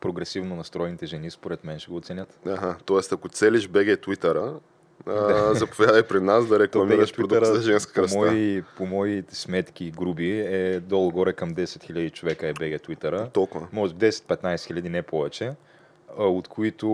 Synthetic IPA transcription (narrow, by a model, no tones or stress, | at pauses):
pɾoɡɾɛsivnonɐst̪ɾɔjnit̪ɛʒɛnispoɾɛt̪mɛnʃɛɡoːt̪sɛnʲət̪aɦat̪ɔɛst̪ɐkot̪sɛliʃbɛɡɛt̪wit̪əɾə | d̪zɐpovʲjad̪ɐjpɾɛd̪nasd̪ɐɾɛkˠɐmiɡɾəʃpɾiɾod̪uɾzɐʒɛnskə̥kɐmɔipomɔismɛt̪kʲiɡɾubiɛd̪ɔlˠəɡɔɾɛkɐmd̪ɛsɛt̪xilʲʎɐd̪it͡ʃovɛkəɛbɛɡɛt̪wit̪əɾət̪ɔlˠkʊvəmɔʒd̪ɛsɛ̥t̪̚pɛt̪najsɛxilʎʲɐd̪inɛpɔvɛt͡ʃɛ | ot̪kʰoit̪ʊ